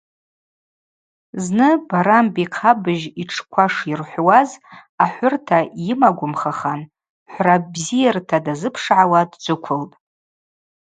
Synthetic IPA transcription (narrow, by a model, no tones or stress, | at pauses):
znɨbaɾambiqʰabɨʒiʈ͡ʂʰkʷʰaʂirħʷwazaħʷʊrtʰajɪmaɡʷʊmχaχan | ħʷrabzijartʰadazɨpʰʂʕawadd͡ʒʷʊkʷʰʊlpʼ